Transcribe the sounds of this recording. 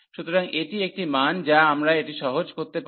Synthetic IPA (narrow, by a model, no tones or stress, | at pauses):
ʃut̪oɾaŋeʈiek̚ʈimand͡ʑaamɾaeʈiʃɔɦod͡ʑkoɾt̪ep